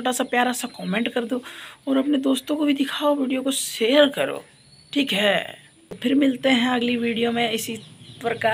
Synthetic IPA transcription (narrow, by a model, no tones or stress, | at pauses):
oːʈasapjaːɾasakɔːmẽɳʈkɐɾd̪oɔːɾɐpned̪oːst̪õkobʱid̪ɪkʰaːoʋiːɖijokoʃeːjəɾkɐɾo̰ː | ʈʰiːkɦɛ | pʰɪɾmɪlt̪eɦɛ̃ɐɡliʋiːɖijomẽɪsipɾɐka